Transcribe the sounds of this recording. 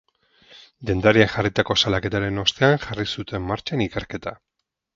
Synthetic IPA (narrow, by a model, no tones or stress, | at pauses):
d̪e̞nd̪aɾiaxarit̪ako̞salake̞t̪aɾe̞no̞st̪e̞aŋʝarisut̪e̞mːaɾt͡ʃanike̞ɾke̞t̪a